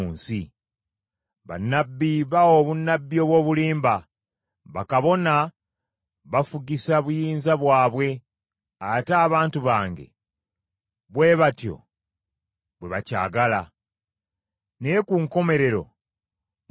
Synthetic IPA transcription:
nsi | βa̰nːabːiβaoβunːabːio̞ːβwo̞ːβuliːmba | βakaβo̞na | βafuɡisaβujiːnzaβwaːβwe̞ | ataːβaːntuβaːŋɡe̞̰ | βwe̞ːβatjo̞̰ | βwe̞βaca̰ːɡala | nekuŋko̞me̞ɾe̞ɾo̞̰

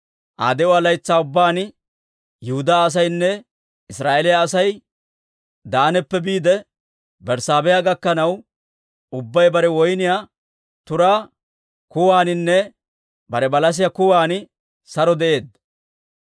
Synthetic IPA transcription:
ʔa̰ːd̪ɛʊalɐjt͡sːaːʊbːaːn | jʊhʊd̪aːs̬ɐjnːɛ | ɪsɾaːʔelɪjaːsɐj | d̪aːnɛpːɛbiːd̪ɛ | bɛɾsaːbɛjaɡɐkːɐnɐw | ʊbːɐjbɐɾɛwɔjnɪjaː | t̪ʊɾaː | kʊwaːnɪnːɛ | bɐɾɛbɐlɐs̬ɪjakʊwaːn | sɐɾɔd̪ɛʔe̞ːd̪

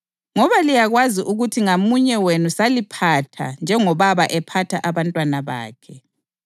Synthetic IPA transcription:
ŋɔβalijaɣwaziʔuɣutʰiŋamuɲɛwenusalipʰatʰa̰nd͡ʒʱɛŋɔβaβaʔɛpʰatʰaʔaβantʼwanaβa̰ːkʰɛ

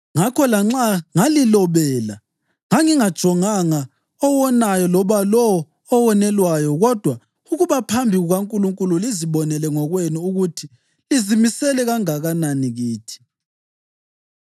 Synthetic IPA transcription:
ŋakʰɔlaŋ͡ǁaŋalilɔβɛːla | ŋaŋiŋad̥ʒ̥ʱɔŋaŋa | ɔwɔnajɔlɔβalɔː | wɔnɛlwajɔɣɔd̥ʱwa | uɣuβapʰambʱiɣuɣaŋkʼuluŋkʼululiziβɔnɛlɛŋɔɣwenuuɣutʰi | lizimisɛlɛɣaŋaɣananiɣiːtʰi̥

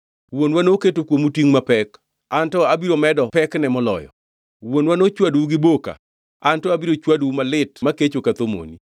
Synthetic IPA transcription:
wonwanoketokwomutiŋmapɛk | antɔabiɾomɛdɔpɛknɛmɔlɔ̰jɔ̰ | wonwanot͡ʃwadwuɡɪboka̰ | antɔabiɾot͡ʃwadwumalɪtmaket͡ʃokat̪omo̰ni

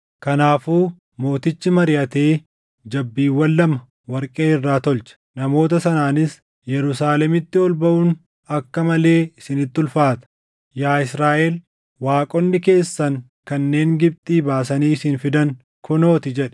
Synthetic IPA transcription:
kɐnaːfuː | mo̞ːt̪ɪt͡ʃːɪmɐɾɪʔɐt̪e̞ː | d͡ʒɐbːiːwːɐlːɐmɐ | wɐɾkʼeːɪrːaːt̪ɔlt͡ʃɐ̥nɐmo̞ːt̪ɐsɐnaːnɪs | jɛɾʊsaːlɛmɪt̪ːɪɔlbɐʔuːn | ɐkːɐmɐle̞ːɪsɪnɪt̪ːʊlfaːt̪ɐ̥ | jaːɪsɾaːʔɛl | waːkʼɔnːɪke̞ːsːɐŋ | kɐnːe̞ːŋɡɪb̚t̪ʼiːbaːsɐniːɪsɪnfɪd̪ɐŋ | kʰʊno̞ːt̪ɪd͡ʒɛᶑɐ̥

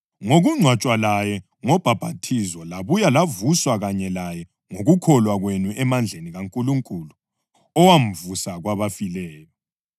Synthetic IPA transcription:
ŋoɣuŋ͡ǀʱwat͡ʃʼwalajɛ | ŋɔb̥ʱab̥ʱatʰizwɔlaβujalavuswaɣaɲɛlajɛ | ŋoɣukʰɔlwaɣwenuʔɛmand͡ɮʱeniɣaŋkʼuluŋkʼulu | ɔwam̩vusaɣwaβafilɛːjɔ

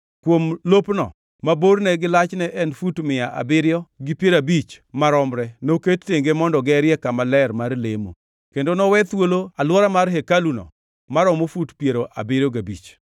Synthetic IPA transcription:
kwomlopnɔ̰ | maboɾnɛɡɪlat͡ʃnɛʔɛnfutmɪjaʔa̰bɪɾjɔɡɪpjeɾabit͡ʃmaɾɔmɾɛnoketːeŋɡemɔndɔɡɛɾjɛkamalɛɾmarlemo̰ | kendonɔwɛt̪woloalwɔɾamarɦekalunɔ̰ | maɾɔmofutpjeɾoʔa̰bɪɾjɔɡabḭt͡ʃ

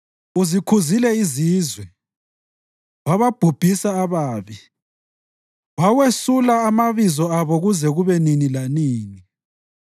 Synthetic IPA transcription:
uzikʰuzilɛiziːzwɛ | waβab̥ʱub̥ʱisaːβaːβi | wawesulaːmaβizɔaβɔɣuzɛɣuβɛninilaniːni

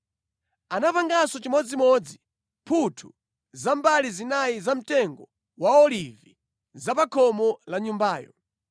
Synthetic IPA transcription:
anapaŋɡasɔt͡ʃimɔd͡zimɔd͡zi | pʰutʰu̥ | zambalizinaizam̩tɛŋɡɔ | waɔlivi | zapakʰɔmɔlaɲumbaːjɔ̰

